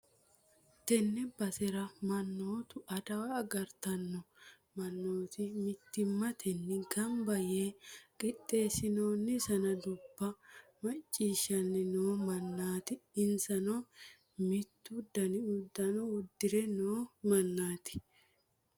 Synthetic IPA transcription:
t̪ɛnːɛbɐsɛɾɐmɐnːo̞ːt̪ʊʔɐd̪ɐwɐːɡɐɾt̪ɐnːɔ | mɐnːo̞ːt̪ɪmɪt̪ːɪmːɐt̪ʰɛnːɪɡɐmbɐjeːkʼɪtʼːe̞ːsɪnoːnːɪsɐnɐd̪ʊbːɐmɐt͡ʃʼːiːʃɐnːɪnoːmɐnːaːt̪ɪɪnsɐnɔ | mɪt̪ːʊd̪ːɐnɪʊd̪ːɐnɔʊd̪ːɪɾɛnoːmɐnːaːt̪ɪ̥

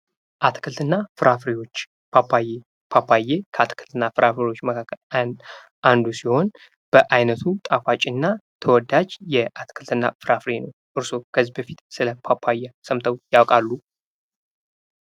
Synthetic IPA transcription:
ʔat̪kʰɨlt̪ɨnːafɨɾʔafɾiwo̞t͡ʃː | pap | pʰapʰajekʰəat̪ʰkʰɨlt̪ʰɨnːafɨɾʔafɾewo̞t͡ʃːməkʰakʰːəln | ʔand̪usiho̞n | b̥əʔajnət̪ʰut̪ʼafat͡ʃʼɪnːat̪ʰəwɔd̪ad͡ʒjɛʔat̪kʰɨlt̪ʰɨnːa̰fɨɾafɾenəwʔɨɾso̞kʰəzibəfit̪sɨləpʰapʰajasəmt̪ʰəwjawkʼalːu

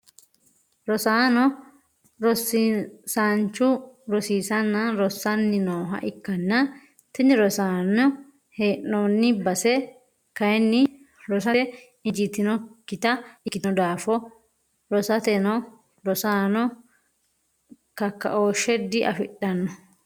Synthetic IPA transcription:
ɾɔsaːnɔ | ɾɔsːisaːnt͡ʃːʊɾɔsiːsɐnːɐɾɔsːɐnːɪnoːɦɐ̰ʔɪkːɐnːɐ | t̪ɪnːɪɾɔsaːnɔ | heːʔːonːɪbɐsɛ | kɐjɛnːɪ | ɾɔs̬ɐɛ | ɪd͡ʒɪt̪ːɪnɔkːɪt̪ɐɪkːɪnɔd̪aːfɔ | ɾɔsɐt̪ɛnɔ | ɾɔsaːnɔ | kɐkːɐ̰ʔoːʃɛd̪ɪʔɐ̰fɪɗːɐnːɔ

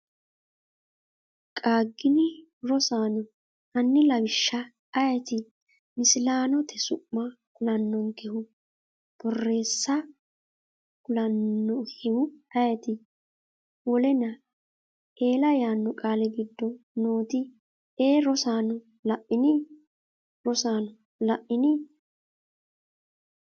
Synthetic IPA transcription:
kʼaːɡːɪnɪ | ɾɔsaːnɔ | ɐnːɪlɐbɪʃːɐ | ɐjɛt̪ɪ | mɪsɪlaːnɔt̪ʰɛsʊʔːɐ | kʊlɐnːɔnkɛhʊ | b̥ɔrːe̞ːsːɐ | kʊlɐnːɔhɛhʊɐjɛt̪ɪ | wɔlɛnɐ | e̞ːlɐjaːnːɔkʼaːlɛɡɪd̪ːɔnoːt̪ɪ | eːɾɔsaːnɔ | lɐʔːɪnɪ | ɾɔsaːnɔ | lɐʔːɪnɪ

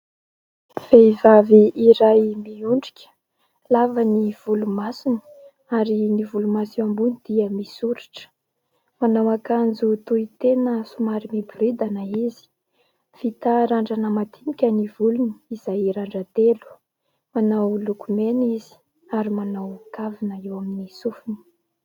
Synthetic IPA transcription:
v̥evaviiɾajmiuɳɖ͡ʐikʲə̥ | lavəniv̥ulumasini | aɾinivulumasiambunid̪̥iəmisuɾaʈ͡ʂə̥ | manawakand͡zut̪uit̪enəsumaɾimiburid̪anaizi̥ | v̥it̪aɾaɳɖ͡ʐanəmat̪inikʲənivuluni̥izajɾaɳɖ͡ʐat̪elu̥ | manawlukumenizi̥ | aɾimanawkavinəewaminisufini̥

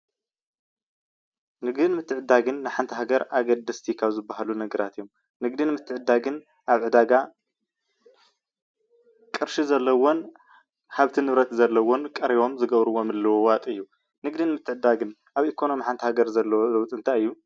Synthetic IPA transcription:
nɨɡd̪ɨnmɨt̪ʰːɨʕɨd̪ːaɡɨnːɨħant̪ʰɐɦaɡɐɾaɡɐd̪ɐst̪ʰikʰaβzɨbːahalunɐɡɐɾat̪jo̞m | nɨɡd̪inmɨt̪ʰːɨʕɨd̪ːaɡɨn | ʔaβʕɨd̪aɡa | kʼɨɾʃizɐlːɐwon | haβt̪ʰinɨβɾɐt̪zɐlːɐwonkʼɐɾiβo̞mzɨɡɐβɾɨwo̞mɨlːɐwowat̪ʼɨjːu | nɨɡd̪ɨnmɨt̪ʰːɨʕɨd̪aɡɨn | ʔaβikʰo̞no̞miħant̪ʰɐhaɡɐɾzɐlːɐwozɐwt̪ʼɨnt̪ʰajɨjːu

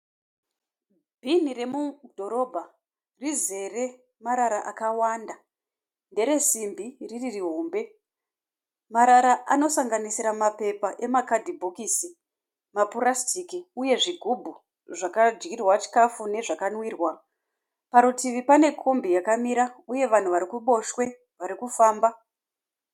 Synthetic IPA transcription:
bʱinire̞mudʱo̞ɾo̞bʱa | rize̞re̞ | maɾaɾaʔakawanda | nde̞ɾe̞simbiriririɦoːmbe̞ | maɾaɾaʔano̞saŋɡanisiɾamape̞paʔe̞makadʱibʱokiːsi | mapuɾastʰikiuje̞ʐiɡʱubʱu | ʐakad͡ʒɡirwat͡ʃi̥kafune̞ʐakanwiːrwa | paɾutiʋipane̞kʰo̞mbijakamiɾauje̞ʋan̤uʋaɾikuɓo̞ʃwe̞ | ʋaɾikufaːmba

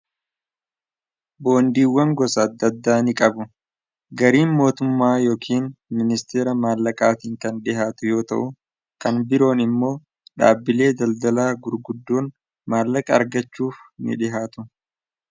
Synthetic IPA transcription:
bo̞ːnd̪iːwːɐŋɡɔsɐːd̪ːɐd̪ːaːnɪkʼɐbʊ | ɡɐɾiːnmo̞ːt̪ʊmːaːjo̞ːkʰiːnmɪnɪst̪e̞ːɾɐmaːlːɐkʼaːt̪iːŋkɐnᶑɪɦaːt̪ʊjo̞ːt̪ɐ̰ʔʊ | kɐnbɪɾo̞ːnɪmːo̞ː | ᶑa̰ːbːɪle̞ːd̪ɐld̪ɐlaːɡʊɾɡʊd̪ːoːn | maːlːɐkʼɐːɾɡɐt͡ʃːuːfnɪ̰ᶑɪɦaːt̪ʊ̥

